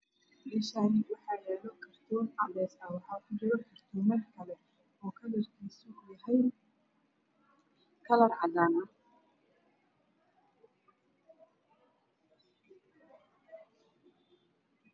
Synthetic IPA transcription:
mɛːʃaːnɪwɑħɑːjɛːlɔkʰɐrt̪ʰɔːnɑbɛːsɐwɑħɑːkʰʊd͡ʒɪɾɔkʰɐrt̪ʰɔmɐrkʰɐlɛ | ɔːkʰɐlɐrkʰiːsʊjɐɦɛj | kʰɐlɐrʕɑd̪aːna

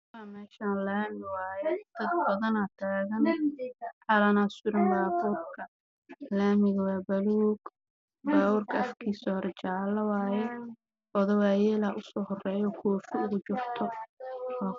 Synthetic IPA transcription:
waːmɛːʃaːnlaːmɪwaːjɛd̪̥ɐd̪bɐðɐnat̪ʰaːɣɐn | ʕɑlɐnaːsʊɾɪmbaːbuːrkʰɐ | laːmɪɣɐwaːbɐluːɡ | baːwʊːrkʰɐɐfkʰiːsɔɾt͡ʃaːlɐwaːjɛ | ʔɔðɔwaːjɛːlɐʔʊsɔːhɔrɛːjɔkʰuːfɪʊɣʊt͡ʃʊrt̪ʰɔwaː

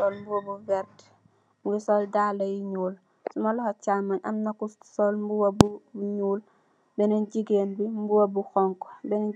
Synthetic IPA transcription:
sɔlmbuwɐbuvɛrt | muɡisɔldalɐjiɲuːl | sumɐlɔhɐcaːmɐnʔɐmnɐkːussɔlmbuwɐbuɲuːl | bɛnɐnɟiɡeːnbimbuwɐbuxɔŋkɔ̥bɛn

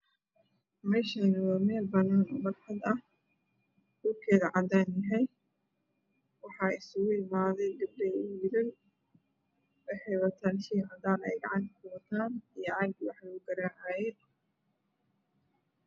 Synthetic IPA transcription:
mɛːʃɐnwamɛːlbɐnaːn̰mɐɾħɑd̪ɐh | ɡ̥ʊrkʰɛːðɐʕɑd̪aːnjɛɦɛj | wɑħɑːɪsʊɣʊɪmaːðɛjd̪ɐb̚dɛʊʊjɪɾɪn | ʔɛħɛjwɐt̪ʰaːnʃiːhɐd̪aːnɛ̰jɡɑ̰ʕɑnkʰʊwt̪ʰaːnijɐʕɑɡ̚wɑħʊɡɐɾaːʕaːjɛ

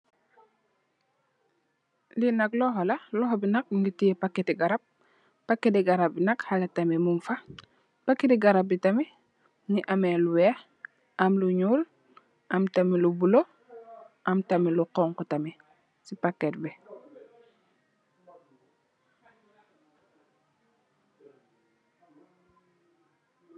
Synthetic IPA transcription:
linaklɔɦolɐlɔɦobinak̚ŋɡitijepakːetiɡaɾap̚ː | akːetiɡaɾap̚binɐkhaletamimumfa | pakːetiɡaɾap̚bitami | niʔameluwɛːx | ʔamluɲuːl | ʔɐmtamilubulo | ʔɐmtamiluqɔŋkutɐmi | sipakːɛt̚bɛ

